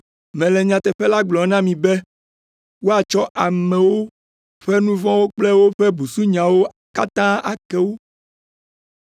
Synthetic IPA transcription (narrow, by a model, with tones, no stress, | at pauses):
mɛ̃˨lɛ˨ɲã˨t̪ɛ˨ɸɛ˦la˦ɡ͡blɔ˨nã˦mĩ˨bɛ˦ | wo˦a˨t͡ʃɔ˦ʔa˨mɛ̃˨wo˦ | ɸɛ˦nũ˦vɔ̃˦wo˦k͡plɛ˦wo˦ɸɛ˦bu˨su˦ɲã˨wo˦ | ka˦t̪ã˦a˨kɛ˦wo˦